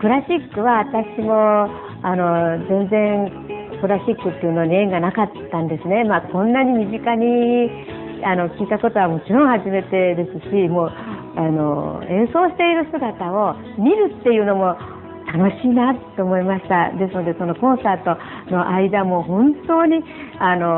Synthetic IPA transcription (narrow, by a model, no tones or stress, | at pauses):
kɯ̟ɾaɕikːɯ̟βaβat̪aɕimo̞ | ano̞zẽ̞nd͡zẽ̞ŋ | kɯ̟ɾaɕikːɯ̟t̪ːeiɯ̟noɲʲiẽ̞ŋɡanakat̪ːãnd̪e̞sɨne̞maːkõ̞nːaɲ̟imʲiʑikaɲ̟i | ano̞kʲiːt̪ako̞t̪o̞β̞amo̞t͡ɕiɾõ̞ɰ̃haʑime̞t̪e̞d̪e̞sɨɕimo̞ː | ano̞̰ẽ̞ɰ̃so̞ːɕi̥t̪e̞iɾɯ̟sɨɡat̪ao̞ | mʲiɾɯ̟t̪ːe̞jɯ̟ːno̞mo̞ | t̪ano̞ɕiːnat̪ːo̞ːmo̞imaɕi̥t̪ad̪e̞s̬ɨno̞d̪e̞so̞no̞kõ̞ɰ̃saːt̪o̞ | no̞ʔaid̪amo̞ɦõ̞nt̪o̞ːɲ̟i | ano